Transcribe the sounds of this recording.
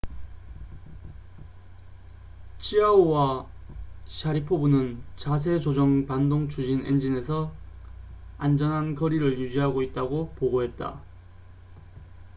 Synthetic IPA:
t͡ɕʰiaowa | ɕʰaɾipʰobunɯnt͡ɕas̬ʰe̞d͡ʑod͡ʑʌŋpandoŋt͡ɕʰud͡ʑinḛnd͡ʑine̞sʰʌ | and͡ʑʌnɦankʌɾiɾɯɭjud͡ʑiɦaɡoit̚t͈aɡopoɡoɦe̞t̚t͈a̰

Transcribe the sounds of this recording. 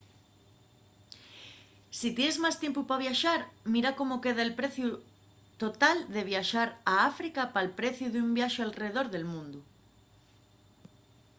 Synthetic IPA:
sit̪jenezmast̪jempupaβ̞jaʃaɾmiɾakomokeðaelpɾeθju | t̪ot̪ald̪eβ̞jaʃaɾaafɾikapalpɾeθjuðumbjaʃoalreeðoɾðelmũnd̪u

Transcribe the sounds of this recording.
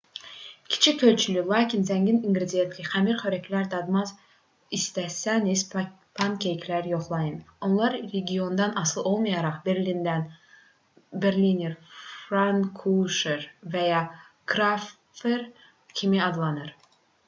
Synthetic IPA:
kʲʰi̥t͡ʃʰiølʲt͡ʃʰylylˠɑːkʲʰinzæŋɡiniŋɡɾid̪ijet̪kʰʲiχæmiɾχøɾækʰlæɾd̪ɑd̪mɑz | ist̪æsæniz | pʰɑnkʲʰejkʲʰlæɾjo̞χlˠɑjɯno̞nlˠɑɾɾeɡʲio̞nd̪ɑnʔɑsɯlˠo̞lˠmɑjɑɾɑχbeɾlind̪æn | beɾliniɾfɾaŋkʰuʃeɾvæjɑ | ɡ̥ɾaf | eɾ | cʲʰimiɑd̪lˠɑnɯɾ

